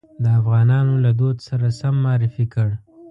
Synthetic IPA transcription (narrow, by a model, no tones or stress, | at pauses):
d̪əafɣɑnɑnolad̪od̪saɾasamːɑɾɪfikəɽ